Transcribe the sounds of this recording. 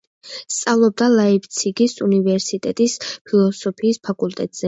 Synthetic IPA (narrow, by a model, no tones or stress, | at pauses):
st̪sʼavlˠɔb̚d̪alaibt̪sʰiɡisunivɛɾsit̪ʼɛt̪ʼispʰilˠɔsɔpʰiːspʰakʼulˠt̪ʼɛ̰t̪ʼz̥ɛ